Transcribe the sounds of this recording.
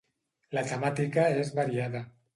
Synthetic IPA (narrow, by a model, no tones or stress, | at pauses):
lat̪amat̪ikaezβaɾiaða